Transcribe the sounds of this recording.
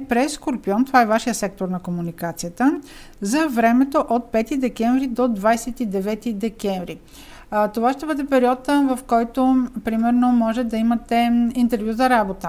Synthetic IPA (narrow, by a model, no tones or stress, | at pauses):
pɾɛskoɾpiɔnt̪ovaɛvaʃijəsɛk̚t̪oɾnɐkomunikat̪sijət̪əzɐvɾɛmɛt̪oʔot̪̚pɛt̪id̪ɛkɛɱvɾid̪od̪vajsɛt̪id̪ɛvɛt̪id̪ɛkɛɱvɾi | t̪ovaʃt̪ɛbɤd̪ɛpɛɾiɔt̪ːəvɐfkɔjt̪opɾimɛɾnomɔʒɛt̪d̪ɐimɐt̪ɛint̪ɛɾvʲjuzɐɾabot̪ə